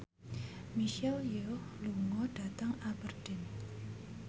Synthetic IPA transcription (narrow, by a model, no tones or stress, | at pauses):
miʃɛljehluŋɔɖ̥a̤t̪aŋabərɖ̥ɪn